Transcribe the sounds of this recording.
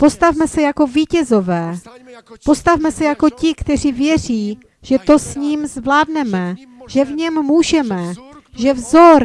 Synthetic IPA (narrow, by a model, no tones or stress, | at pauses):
po̞st̪avmɛsɛjako̞viːcɛzo̞vɛː | po̞st̪avmɛsɛjako̞cɪkt̪ɛr̝iːvjɛr̝iː | ʒ̥ɛt̪o̞sɲiːmzvlaːdnɛmɛʒɛvɲɛmmuːʒɛmɛʒɛvzo̞ɾ